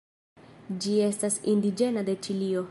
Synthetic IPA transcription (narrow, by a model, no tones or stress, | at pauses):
d͡ʒie̞stasindid͡ʒe̞nade̞t͡ʃilio̞